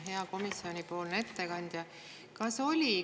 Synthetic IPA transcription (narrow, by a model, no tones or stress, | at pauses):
ɦe̞ɑko̞misio̞nʲipo̞ːlne̞t̪ːe̞kɑnʲd̪̥jɑ | kɑso̞lʲi